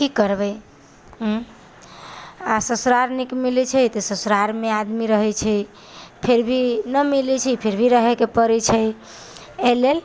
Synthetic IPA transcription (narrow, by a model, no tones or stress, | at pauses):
kikəɾbəj | ɦ | asəsɾaɾnikmilit͡ʃʰəjt̪ɔsəsɾaɾmead̪miɾəɦɛt͡ʃʰɛ | pʰeɾbʱinəmilit͡ʃʰɛpʰeɾbʱiɾəɦekepəɾɛt͡ʃʰəj | elel